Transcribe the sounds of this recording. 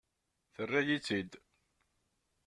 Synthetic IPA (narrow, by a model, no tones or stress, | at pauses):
θərːajit͡sːid̪